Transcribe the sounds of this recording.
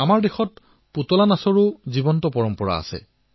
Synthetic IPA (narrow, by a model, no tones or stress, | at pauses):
amaɹdexɔt | putɔlanasɔɹʊzibɔntɔpɔɹɔmpɔɹa̰a̰sɛ̰